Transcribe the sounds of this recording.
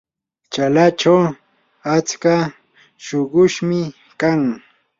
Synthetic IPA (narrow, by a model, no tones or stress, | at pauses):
t͡ʃalat͡ʃaw | at͡ska | ʃoɢʊʃmɪ | kaŋ